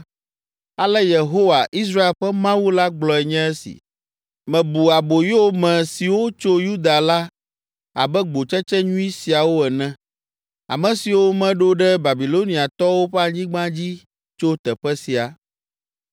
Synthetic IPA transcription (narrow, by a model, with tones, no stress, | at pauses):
a˨lɛ˦je˨ɦo˦wa˨ʔi˦s̬ɾa˦e˨lɸɛ˦mã˦wu˦la˦ɡ͡blɔ˨ɛ˨ɲɛ̃˦ɛ˦sḭ˨ | mɛ̃˨bu˨a˨bo˨jo˦o˦mɛ̃˨si˨wo˦t͡ʃo˦ju˦d̪a˨la˦ | a˨bɛ˦ɡ͡bo˨t͡ʃɛ˦t͡ʃɛ˦ɲũ˦i˦si˨a˨wo˦ɛ˨nɛ̃˦ | a̰˨mɛ̃˨si˨wo˦mɛ̃˦ɖo˦ɖɛ˦ba˨bi˨lo˦nĩ˨a˨t̪ɔ˦wo˦ɸɛ˦a˨ɲĩ˦ɡ͡bã˦d͡ʑi˦ | t͡ʃo˦t̪ɛ˨ɸɛ˦si˨a˨